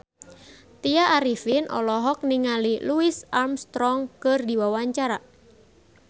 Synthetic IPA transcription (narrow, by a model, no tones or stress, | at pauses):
t̪iaʔːɾifinʔɔ̰lɔɦɔk̚niŋaliluɪsʔarmst̪ɾɔŋkɨrdiwawaɲt͡ʃaɾa